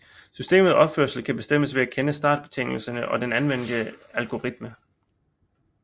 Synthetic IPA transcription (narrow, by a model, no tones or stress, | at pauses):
sysd̥e̝̰ːmð̞̩ˠɒ̽b̥føɐsl̩kʰæb̥e̝sd̥em̰əsʋe̝ækʰenəsd̥ɑ̰̈ːd̥b̥e̝t͡sʰe̝ŋ̰l̩sənəʔɒ̽d̥enænʋen̰d̥əælɡ̥o̝ʁid̥mə